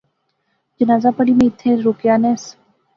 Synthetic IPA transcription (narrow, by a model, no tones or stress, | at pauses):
d͡ʒɐnaːzapɐɽimẽɪt̪ʰːeɾuːkjaːnɛːs